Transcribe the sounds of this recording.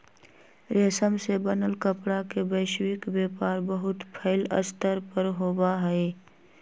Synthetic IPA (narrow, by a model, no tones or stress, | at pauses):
ɾeːsəmsebənəlkəpɽakebəːʃwɪkbeːpaːɾbəɦʊt̪pʰəɪlə̰st̪əɾpəɾɦoːbaɦɛe